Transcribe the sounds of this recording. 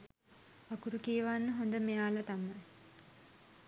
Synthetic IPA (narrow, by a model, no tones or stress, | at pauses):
akuɾukiəʋanːəɦond̪əmejaːlat̪ama